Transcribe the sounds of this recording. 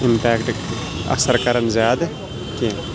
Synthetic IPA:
ɪmpɛːkʈ | ɐ̰ksəɾkɐɾənzaːd̪ | kẽ

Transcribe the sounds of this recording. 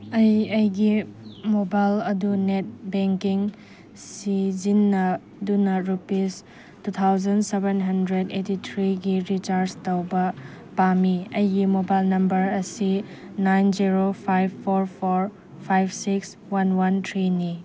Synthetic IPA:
ɐjɐjɡimobajlɐdunet̚beŋkiŋ | sizinːɐ | dunɐɾupis | tut̪ʰawzɐnsebenɦɐndɾedetitʰɾiɡiɾit͡ʃaɾstɐwbɐ | pamiɐjɡimobajlnɐmbɐɾɐsi | najnziɾopʰajbpʰːoɾpʰoɾ | pʰajbsiks | wanwant̪ʰɾini

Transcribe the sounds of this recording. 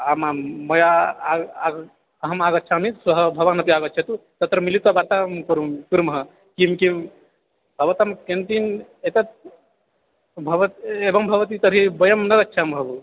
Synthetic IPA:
amamɐjaaaɡ | ɐɦɐmaɡɐt̪̚t͡ʃʰamisɐɦəbʱɐʋaːnɐp̪iaːɡɐt͡ʃʰet̪ut̪ɐt̪ɾɐmilit̪abaːɾt̪amkuɾumkuɾumɦɐ | kimkim | bʱɐʋɐt̪ɐmkent̪inet̪ɐt̪ | bʱɐʋɐt̪ebɐmbʱɐʋɐt̪it̪ɐbʱibɐjɐmnɐɡɐt̪t͡ʃʰambʱɐbu

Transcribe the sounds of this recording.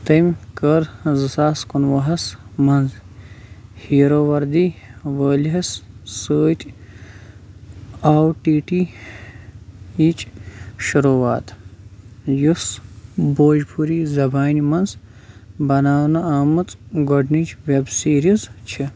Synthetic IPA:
t̪ɐmʲkɐɾzɨsaːskunʋɐɦɐsmɐnz | hiːɾoːʋɐɾd̪iːʋəːlɦɐssəːt̪ʲ | aːwʈiːʈi | iːt͡ʃʼʃuɾuːaːt̪ʰ | jusboːd͡ʒpʰuɾiːzɐbaːnimɐnz | bɐnaːwnɐaːmɐt͡sʼɡɔɖnit͡ʃʋebsiːɾizt͡ʃʰi

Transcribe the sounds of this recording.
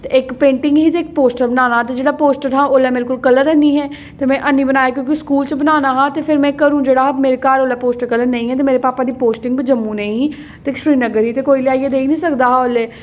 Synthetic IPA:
t̪eɪkpẽːɳʈɪŋɡɦiːt̪eɪk̚poːsʈəɾbənaːnaːt̪ed͡ʒeːɽaːpoːsʈəɾɦãːʔoːlɛːmeːɾekʊlkələɾəniːɦɛː | t̪emɛ̃ːʔənːĩːbənaːjaːk̬jõːk̬iskuːlt͡ʃəbənaːnaːɦãːt̪epʰɪɾmɛ̃ːkəɾũːd͡ʒeːɽaːmeːɾekaːɾoːlaːpoːsʈəɾkələɾnəĩːɦɛːt̪emeːɾepaːpaːd̪iːpoːsʈɪ̃ŋɡbid͡ʒəmːũːnəĩ | t̪eʃɾiːnəɡəɾɦiːt̪eːkoːiːlɪaːied̪eːinĩːsəkd̪aːɦaːoleː

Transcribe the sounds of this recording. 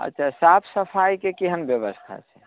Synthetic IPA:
ə̰tːt͡ʃʰasapʰsəpʰajkekiɦənbjəbəst̪ʰa̰t͡ʃʰɛ

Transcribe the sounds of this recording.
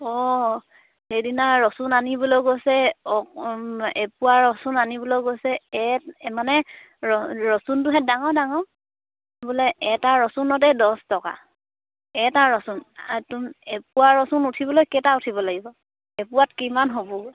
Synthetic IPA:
ɔ | hedinaɹɔsunanibulɔɡojsɛɔ | epuwaɹɔsunanibulɔɡosɛɛtmanɛ | ɔɹɔsuntʊɦɛt̚daŋɔdaŋɔ | bulɛɛtaɹɔsunɔtɛdɔstɔka̰ | ɛtaɹɔsuntuepuwaɹɔsunutʰibɔlojkɛtautʰibɔlaɡibɔ | ɛpʊwatkimanɦobɔ

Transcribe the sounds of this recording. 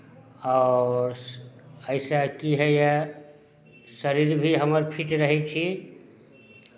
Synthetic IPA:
aːɾ | əɪsakiɦɛje | səɾiɾbʱiɦəməɾpʰiʈɾəɦɛt͡ʃʰi

